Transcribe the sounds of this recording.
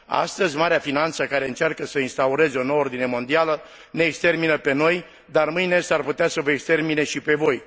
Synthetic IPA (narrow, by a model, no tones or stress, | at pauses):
a̰st̪əzʲmaɾeafinant̪səkaɾe̞ɨnt͡ʃarkəsəinst̪auɾe̞zeo̞nowəord̪ine̞mo̞nd̪ialə | ne̞ːkst̪e̞rminəpe̞no̞j | d̪armɨjnest̪arput̪easəvəekst̪e̞rmine̞ʃipe̞vo̞j